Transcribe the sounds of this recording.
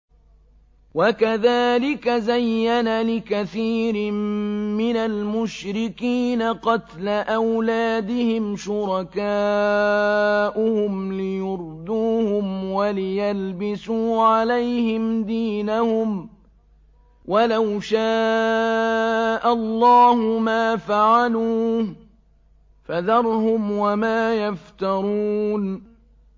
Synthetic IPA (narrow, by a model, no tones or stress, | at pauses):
wakaðaːlɪkazajːanalɪkaθiːɾɪmɪnalmʊʃɾɪkiːnaqɑt̪laʔawlaːd̪ɪhɪmʃʊɾˤɑkaː | ʔʊhʊmlɪjʊɾd̪uːhʊmwalɪjalbɪsuːʕalajhɪmd̪iːnahʊm | walawʃaː | ʔalˤːɑːhʊmaːfaʕaluː | faðɑɾˤhʊmwamaːjaft̪ɑɾˤuːn